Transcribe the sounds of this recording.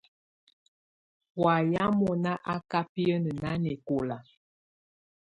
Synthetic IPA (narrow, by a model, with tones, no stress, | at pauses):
wa˨ja˦mɔ˨na˦ʔa˦ka˦pi˦ə˦nə˨na˦nɛ˨ko˨la˨